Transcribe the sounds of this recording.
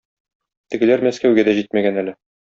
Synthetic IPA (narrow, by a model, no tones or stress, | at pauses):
t̪ɘ̆ɡɘ̆læɾmæskæwɡæd̪æʑit̪mæɡænælɘ